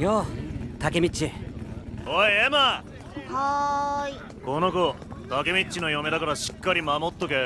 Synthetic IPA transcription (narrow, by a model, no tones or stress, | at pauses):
jot̪akemʲit͡ɕːi | oiema | hoi | konoko | t̪ake̞mʲit͡ɕːino̞jome̞d̪akaɾaɕi̥kːaɾʲimamot̪ːoke